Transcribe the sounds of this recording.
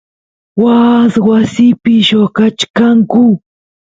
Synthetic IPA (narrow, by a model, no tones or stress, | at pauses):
waswasɪpɪʃokat͡ʃkaŋkʊ